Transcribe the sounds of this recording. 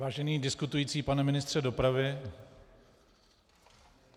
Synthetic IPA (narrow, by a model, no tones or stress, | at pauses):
vaːʒɛniːdɪskut̪ujiːt͡siːpanɛmɪnɪst̪r̝̥ɛdo̞pɾavɪ